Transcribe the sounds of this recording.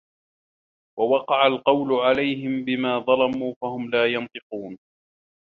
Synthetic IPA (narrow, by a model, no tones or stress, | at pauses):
wawɑqɑʕalqɑwlʊʕalajɦɪmbɪmaːðˤɑlɑmuːfahʊmlaːjɑnt̪ˤɨquːn